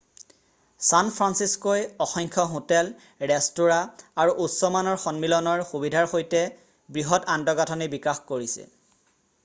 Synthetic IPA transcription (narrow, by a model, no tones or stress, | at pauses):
sanpʰɹansiskojɔxɔŋkʰɔɦotɛl | ɹɛstuɹaaɹuʔutsɔmanɔɹxɔnmilɔnɔɹxubidʱaɹxojtɛ | bɹiɦɔtandɔɡatʰɔnibikaxkoɹisɛ̰